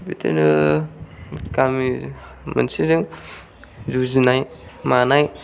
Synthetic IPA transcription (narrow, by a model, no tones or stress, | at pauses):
bitʰḛnɯ | kami | mə̰nsizɯŋ | zuzinajmanaj